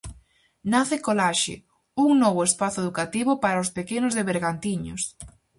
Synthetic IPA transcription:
naθekolaʃɪ̰ | uŋnɔβʊespaθʊeðukat̪iβʊpaɾaospekenʊzðeβeɾɣant̪iɲos

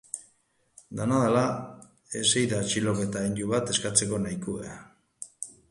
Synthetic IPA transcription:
d̪anaðala | e̞se̞jðat͡ʃilo̞ke̞t̪aind̪uβat̪e̞skat͡se̞ko̞najkuḛa

